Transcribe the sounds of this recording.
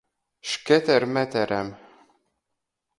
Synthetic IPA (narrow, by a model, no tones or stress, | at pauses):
ʃkːæθæɾmæθæɾæm